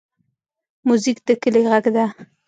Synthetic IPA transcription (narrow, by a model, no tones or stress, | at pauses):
muzikd̪əkəleɣaɡd̪a